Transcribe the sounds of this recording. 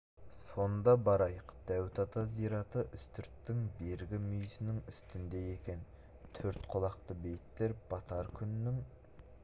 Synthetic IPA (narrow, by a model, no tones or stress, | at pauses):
so̞nnd̪ɑbɑɾɑjəqd̪̥æwt̪ʰɑt̪ʰɑzijɾɑt̪əʔʏst̪ʰʏɾt̪ːɪŋbe̞ɾɡʲɪmyjsɪnɪŋʏst̪ɪnd̪e̞je̞kʲe̞n | t̪ʰɵɾt̪qʰʊlˠɑqt̪əbe̞jt̪ːeɾb̥ɑt̪ʰɑɾkʲʰʏnnːɪŋ